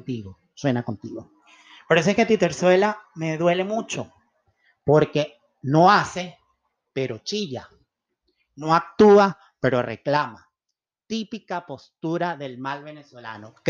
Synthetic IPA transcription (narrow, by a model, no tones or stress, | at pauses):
t̪iɣo | swe̞nako̞nt̪iɣo | poɾes̬oesket̪it̪eɾswe̞lame̞ðwe̞le̞mut͡ʃo | po̞ɾke̞ | no̞ase̞ | pe̞ɾo̞t͡ʃiʎa̰ | no̞ak̚t̪ua | pe̞ɾo̞rḛklama | t̪ipikapo̞st̪uɾaðe̞lmalβe̞neswela̰nok